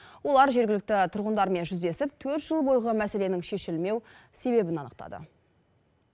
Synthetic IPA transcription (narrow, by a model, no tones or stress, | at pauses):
wo̞lˠɑɾʒe̞ɾɡʲɪlɪk̚t̪ɪt̪ʰʊɾʁənd̪ɑɾme̞nʒʏzd̪e̞sɪp̚t̪ʰɵɾt̪ʒ̥əlˠbo̞jʁəmæse̞le̞nɪŋʃe̞ʃɪlme̞w | se̞be̞bɪnɑnəqt̪ɑ̰d̪ə̰